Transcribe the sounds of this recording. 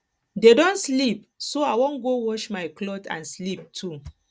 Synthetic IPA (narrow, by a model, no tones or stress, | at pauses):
dedɔ̃nslip̚soawɔ̃nɡowɔʃmaɪklɔtã̰nslip̚tʰu